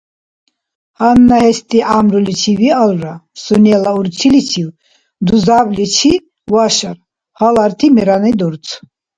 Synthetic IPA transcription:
hanːahɛst̪ʼiʔamɾulit͡ʃʰivialɾasunɛlauɾt͡ʃʰilit͡ʃʰiw | d̪uzablit͡ʃʰi | waʃaɾ | halaɾt̪ʰimɛɾanɛd̪ɔɾt͡sʰ

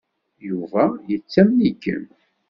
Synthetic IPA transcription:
juvæjət͡sːæmnikːə̰n

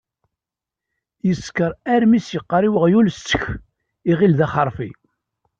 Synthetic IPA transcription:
jəskəɾˤæɾmisjəqːəɾˤiwəʁjulst͡sːə̥ç | iʁilðæχəɾˤfi

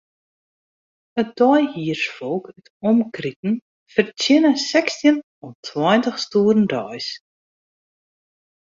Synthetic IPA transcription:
əd̥ɔjhiərsfɔlˠkətɔmkritn̩ | fərtɪnəsɛkstiən | ɔntʰwɔjntəxstuːrn̩dœjs

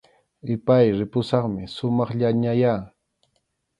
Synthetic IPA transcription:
ɪpajɾɪpʊsɑχmɪsʊmɑχʎaɲajaː

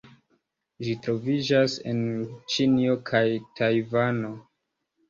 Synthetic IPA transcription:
ʒitɾo̞vid͡ʒase̞̰nt͡ʃinio̞kʰajtʰajvano̞

